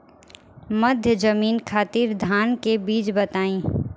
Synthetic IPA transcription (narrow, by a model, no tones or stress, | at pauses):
mɐd̪ʱjəzəmiːnkʰaːt̪iːɾd̪ʱaːnkebiːt͡ʃbɐt̪aːĩː